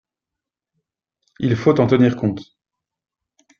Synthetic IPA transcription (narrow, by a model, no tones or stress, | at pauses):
ilfot̪ɑ̃t̪əniʁkɔ̃t̪